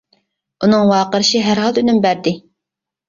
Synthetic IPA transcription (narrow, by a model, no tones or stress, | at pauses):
unɨŋwɑːqəɾɨʃiɦæɾɦɑlˠynymbæɾd̪ɪ